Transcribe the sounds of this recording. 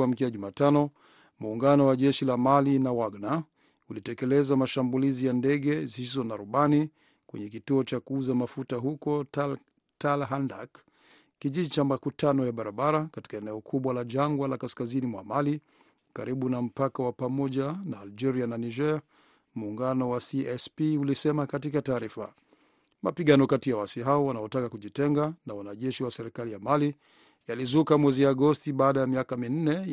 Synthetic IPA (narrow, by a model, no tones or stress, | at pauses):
am̩kɛaʄumaːtanɔ | muːŋɡanɔwaʄɛʃilamalinawaɡna | ulitɛkɛlɛzamaʃambulizijandɛɠɛzizɔnaɾuɓani | kwɛ̰ɲɛk̬ituɔt͡ʃakuuzamafutaɦukɔ | talɦanda̰k | kiʄiʄit͡ʃamakutanɔjaɓaɾaɓaɾakati̥kaɛnɛɔkʰuɓwalaʄaŋɡwalakaskazinimwa̰mali | kaɾiɓunam̩pakawapamɔʄanaːld͡ʒɛɾiananiʒɛa | muːŋɡanɔwasiɛspiulisɛmakatikataːɾifa̰ | mapiɠanɔkatijawasiɦaɔwanaɔtakakuʄitɛŋɡanawanaʄɛʃiwasɛɾikalijamali | jalizukamwɛziaɡɔstiɓaːɗajamiakamin̩nɛ